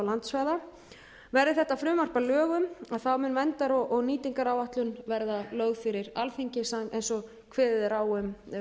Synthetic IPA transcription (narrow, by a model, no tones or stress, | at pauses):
lant̪svaːða | vɛɾðɪθɛht̪ːafɾʏːmar̥palœːɣʏmaðθawmʏnːvɛnt̪aɾɔʔɔɣniːt̪iŋkaɾawvaht̪lʏnvɛɾðalœːɥɣfɪɾɪɾalθiɲcɪsaejnsɔ | kʰvɛːðɪðɛɾawʏm